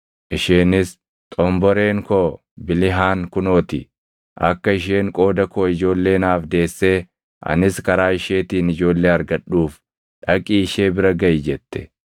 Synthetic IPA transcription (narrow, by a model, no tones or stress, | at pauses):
ʔɪʃeːnɪs | t̪ʼɔmbɔɾe̞ːŋkoː | bɪlɪɦaːŋkʊno̞ːt̪ɪ̰ | ʔɐ̰kːɐɪʃ̬eːŋkʼo̞ːd̪ɐkoːɪd͡ʒo̞ːlːe̞ːnaːfd̪e̞ːsːeː | ʔɐ̰nɪskɐɾaːɪʃe̞ːt̪iːnɪd͡ʒo̞ːlːeːɐɾɡɐɗuːf | ᶑɐkʼiːɪʃeːbɪɾɐɡɐʔɪd͡ʒɛt̪ːɛ̥